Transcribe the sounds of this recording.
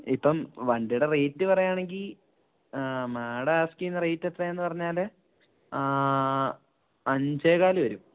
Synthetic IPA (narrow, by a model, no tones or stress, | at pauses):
ipːɐmʋɐɳɖijuɽerejtːɨpɐrɐjaːɳe̞ŋɡil | maːɽɐːskiːnːrejtːet̪ːrɐenːɨpɐrɐɲːaːl | ɐɲd͡ʑeːɣaːlɨʋɐɾum